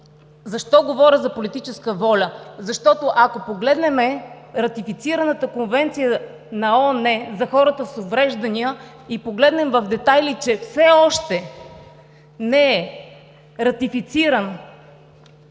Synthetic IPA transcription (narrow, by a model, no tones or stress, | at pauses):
zɐʃt̪ɔɡovɔɾʲəzɐpolit̪it͡ʃɛskəvɔlʲəzɐʃt̪ɔt̪oʔɐkopoɡlɛd̪nɛmɛ | ɾɐt̪ifit̪siɾɐnət̪əkonvɛnt̪sijə | nɐɔnɛzɐxɔɾət̪əsovɾɛʒd̪ɐniə | ipoɡlɛd̪nɛmvɐvd̪ɛt̪ajlit͡ʃɛfsɛɔʃt̪ɛ | nɛɛ | ɾɐt̪ifit̪siɾən